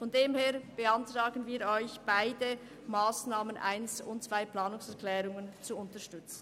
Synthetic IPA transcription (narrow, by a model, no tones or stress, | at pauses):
fɔndeːmheːɾb̥əantʁaːɡənviːɾɔʏçb̥aɪdə | maːsnaːmənʔa̰ɪnsʊntt͡sv̥aɪplaːnʊŋsɛʁkʰlɛːɾʊŋənt͡suʊntəʃtʏt͡sn̩